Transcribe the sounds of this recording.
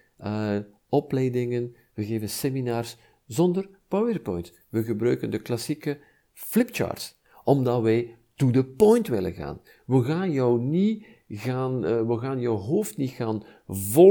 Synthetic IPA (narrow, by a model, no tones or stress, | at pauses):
ə | ɔplɛjdɪŋən | ʋəɣeːvənseminaːrs | zɔndərpawərpɔjnt | ʋəɣəbɾœɥkəndəklɑsikə | flɪpt͡ʃa̰ːrts | ɔmdɑtʋɛj | tudəpɔjntʋɪlə̰nɣa̰ːn | ʋəɣaːnjœwni | ɣaːnʋəɣaːnjœwɦoːftnitɣaːnvɔ